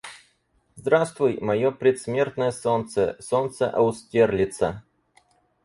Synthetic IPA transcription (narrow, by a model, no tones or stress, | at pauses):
zd̪ɾast̪vʊjmɐjopɾʲɪt̪smʲe̞rt̪nəjəsont̪sə̰sont̪səʔɐʊsʲtʲerlʲɪt̪sə